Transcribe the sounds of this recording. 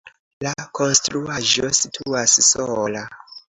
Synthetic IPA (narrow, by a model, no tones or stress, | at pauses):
lakʰo̞nstɾuaʒo̰sitʰuassola